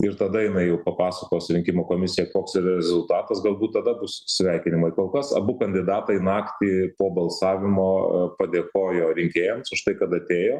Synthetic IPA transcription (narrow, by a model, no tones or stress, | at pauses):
ɪɾt̪ɐd̪ɐjɪnɐɪjɛʊpɐpɑːsɐkoːsɾʲɪŋʲkʲɪmoːkoːmʲɪsʲɪjɛkoːksɪɾɐɾʲɛzʊlˠt̪ɑːt̪ɐsɡɐlˠbuːt̪̚t̪ːɐd̪ɐbʊssʲʋʲɛɪkʲɪnʲɪmɐɪkoːlˠkɐsɐ̰bʊkɐnʲd̪ʲɪd̪ɑːt̪ɐɪnɑːkt̪ʲiːpoːbɐlˠsɑːʋʲɪmoːpɐd̪ʲeːkoːjoːɾʲɪŋʲkʲeːjɛmsʊʃt̪ɐɪkɐt̪ɐt̪ʲeːjoː